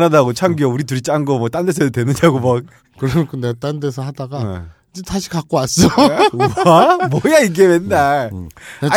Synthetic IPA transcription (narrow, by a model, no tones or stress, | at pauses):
nadaɡot͡ɕʰaŋɡiʌuɾitɯɾit͡ɕ͈aŋɡʌmwʌt͈andesʰedotwenɯɲaɡomak̚ | kɯɾʌɲkʰonet͈andes̬ʰʌɦadaɡaid͡ʑetʰaɕʰi̥kak͈̚oas͈ʌ | amwʌjaiɡemenːa